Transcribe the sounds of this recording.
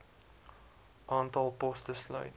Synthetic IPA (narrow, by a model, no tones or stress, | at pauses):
ʔɑːntɑlˠpɔstəslœ̰ɥt